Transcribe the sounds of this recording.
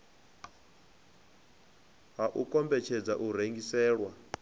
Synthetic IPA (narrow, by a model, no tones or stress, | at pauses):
ɦaʔukʼɔmbɛt͡ʃʰɛd͡zaʔuɾeŋɡisɛːɺwa